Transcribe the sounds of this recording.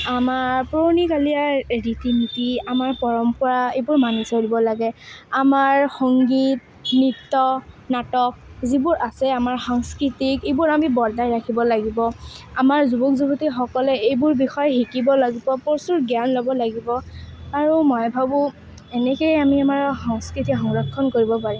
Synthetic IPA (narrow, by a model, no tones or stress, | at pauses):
amaɹpɹonikaliaditimitiamaɹpɔɹɔmpɔɹaejbʊɹmanusoɹibɔlaɡɛamaɹxɔŋɡit̚ | nitːɔnatɔk̚zibʊɹʔasɛamaɹxaŋskɹitikejbʊɹamibɔɹdajɹakʰibɔlaɡibɔamaɹzubukzubutixɔkɔlɛejbʊɹbixɔjɛxikibɔlaɡibɔpɔɹsuɹɡjanlɔbɔlaɡibɔaɹumɔjbʱabʊ̃ | ɛnɛkejamiamaɹxɔŋskɹitixɔŋɹɔkʰːɔnkoɹibɔpaɹi